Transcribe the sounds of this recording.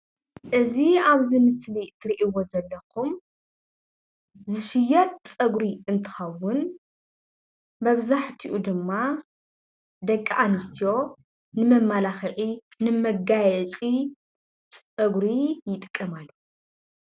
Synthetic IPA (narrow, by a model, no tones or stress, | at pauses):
ʔɨziaβzimɨslit̪ʰɨɾiʔiwo̞zɐlːɐkʰum | zɨʃɪjɐt̪̚t͡sʼɐɡɾiɨnt̪ʰɨ̥xɐwʊn | mɐβzaħt̪ʰiʔud̪ɨmːa | d̪ɐkʼːaʔanɨst̪ʰijo̞ | nɨmɐmːalaxʕi | nɨmɐɡajɛt͡sʼi | t͡sʼɐɡɾijɪt̪ʼkʼːɨmalːu